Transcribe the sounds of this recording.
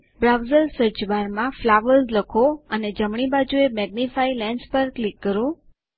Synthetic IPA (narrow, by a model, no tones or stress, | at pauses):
bɾawzəlsəɾt͡ʃʋaɾmãflaʋəlzləkʰoəned͡ʒəmɳibad͡ʒuemɛɡ̚nifailɛ̃ɳɖspəɾklikːəɾũ